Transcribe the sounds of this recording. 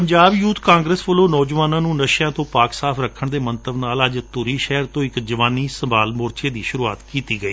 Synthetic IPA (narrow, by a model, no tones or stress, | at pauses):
pəɲd͡ʒaːbjuːt̪kãːŋɡɾəsʋəloːnɔːd͡ʒʋaːnãːnũːnəʃjãːt̪õːpaːksaːpʰɾəkʰːəɳd̪eːmənt̪əbnaːləd͡ʒt̪ʊɾiːʃɛɦɾt̪õːɪkd͡ʒəʋaːniːsəmbaːlmoːɾt͡ʃeːd̪iːʃʊɾuːa̰ːt̪kiːt̪iːɡəiː